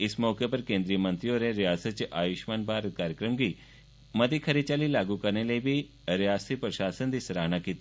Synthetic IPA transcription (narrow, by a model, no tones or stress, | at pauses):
ɪsmɔːkepɐɾkẽːnd̪ɾijəmɐ̃nt̪ɾijoɾẽɾɪjaːsət̪t͡ʃʔaːjʊʃmaːnbʱaːɾət̪̚kaːɾjəkɾəmɡʱi | mɐd̪ikʰɐɾit͡ʃaːlilaːɡukɐɾneləibʱi | ɾɪjaːst̪ipɾɐʃaːsənd̪isɾaːɦñakiːt̪i